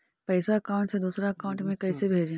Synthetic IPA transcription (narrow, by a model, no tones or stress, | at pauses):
pɛːsaɐkaːʊ̃ɳʈsed̪uːsɾaɐkãʊ̃ɳʈmẽkɐːsebʱeːd͡ʒẽ